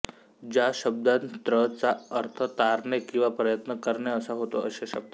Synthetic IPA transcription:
d͡ʑjaɕəb̚d̪at̪ɾət͡saəɾt̪ʰət̪aɾɳekĩw̃ʋapɾəjət̪nəkəɾɳeəsaɦot̪oʔəɕeɕə̰b̚t̪a

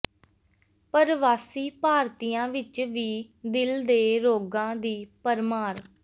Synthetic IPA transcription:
pəɾʋaːsiːpaːɾt̪ijãːʋɪt͡ʃʋiː | d̪ɪld̪eːɾoːɡãːd̪iːpəɾmaːɾ

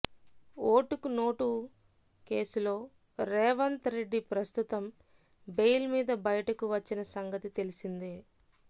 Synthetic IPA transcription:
oːʈukuno̞ːʈu | ke̞ːsulo̞ː | ɾɛːʋɐnt̪ɾe̞ɖːipɾɐst̪ut̪ɐm | be̞jlmiːd̪ɐbɐjɐʈɐkuʋɐt͡ʃːinɐsɐŋɡɐt̪it̪e̞lisind̪e

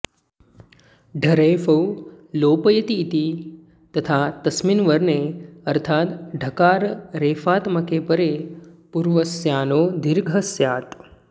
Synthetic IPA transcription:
ɖʱɐɾeːfɐw | loːpəjət̪iːt̪i | t̪ət̪ʰat̪ɐsminʋəɾneəɾt̪ʰaːt̪ɖʱəkaːɾɾeːfaːt̪mɐkepəɾepuɾʋəsjaːnoːd̪iɾɡʱəsjaːt̪

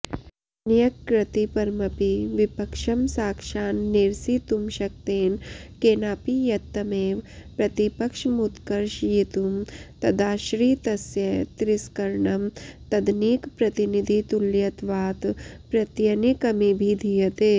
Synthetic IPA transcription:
nijɐkːɾɐt̪ipɐɾmɐpiʋipɐkʃɐmsaːkʃaːnːiɾsit̪umʃɐk̚t̪eːnkeːnaːpijɐt̪ːɐmeːʋpɾɐt̪ipɐkʂmut̪kɐɾʃjit̪umt̪ɐd̪aːʃɾiːt̪ɐsjɐt̪ɾiskɐɾɳɐmt̪ɐd̪nikpɾɐt̪inid̪ʱit̪uljɐt̪ʋaːt̪pɾɐt̪jɐnikɐmibʱid̪ʱijɐt̪eː

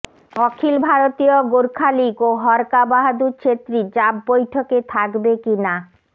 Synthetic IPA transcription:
ɔkʰilbʱaɾot̪ioɡoɾkʰalikoɦɔɾkabaɦad̪ut͡ɕʰet̪ːɾid͡ʑabːojʈʰoket̪ʰakbekina

